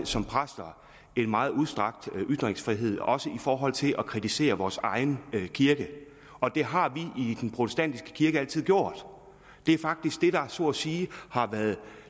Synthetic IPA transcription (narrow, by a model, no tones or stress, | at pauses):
sɒ̽mpʰʁasd̥ɐ | e̝nmɑ̈ːð̩ˠuð̞ˠsd̥ʁɑ̈ɡ̥̚d̥ʔy̥d̥ʁeŋsfʁiɦe̝ð̞̰ˠɒ̽səifɒːɦɒ̽l̰t͡sʰe̝lʔɒ̽kʰʁit͡sʰise̝̰ːɐʋɒːsɑ̈ɪnkʰiɐɡ̥ə | ɒ̽d̥e̝ɦɑ̈ʋiʔid̥enpʰʁo̝t͡sʰesd̥æn̰d̥isɡ̥ə̥kʰiɐɡ̥əæl̰t͡sʰið̞̰ˠɡjo̝ɐ̰d̥ | d̥e̝æɐfɑ̈ɡ̥̚d̥isɡ̥̚d̥e̝ɾ̥ɑ̈æsɔ̰ːsiːhɑ̈ʋæːɐð̩ˠ